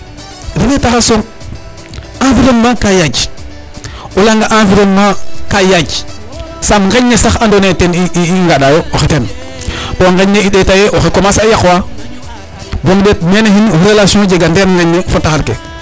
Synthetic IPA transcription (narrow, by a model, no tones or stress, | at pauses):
denetaxasom | ãfiɾommakajad͡ʒ | ulaŋɡaʔãfiɾommakajad͡ʒ | samŋɡaɲːesaxandoneteniiiŋɡaɗajooxeten | oŋɡaɲːeiɗetajeʔoxekomasajakwa | boŋdet̚menehinɾelasiõd͡ʒeɡandenŋɡaɲːefotːahalkḛ